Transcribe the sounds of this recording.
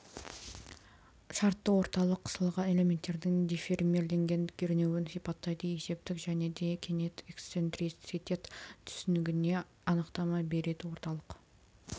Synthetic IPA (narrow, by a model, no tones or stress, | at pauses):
ʃɑɾt̪ːəwo̞ɾt̪ɑlˠəqʰːə̥səlˠʁɑne̞le̞mʲe̞nt̪ːe̞ɾd̪ɪŋd̪efermʲeɾle̞ŋɡʲe̞nkʲʰeɾne̞wɪnsijpɑt̪ːɑjd̪əje̞se̞p̚t̪ɪkʒæne̞d̪e̞kʲʰenet̪ekst̪se̞nt̪ɾisit̪ʲet̪t̪ʰʏ̥sɪnɪɡʲɪne̞ | ɑnəqt̪ɑmɑbe̞ɾe̞d̪ɪwo̞ɾt̪ɑlˠəq